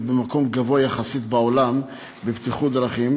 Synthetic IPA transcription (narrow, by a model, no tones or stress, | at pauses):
bemako̞mɡavoajaχasit̪bao̞lam | bebt̪iχud̪ɾaχim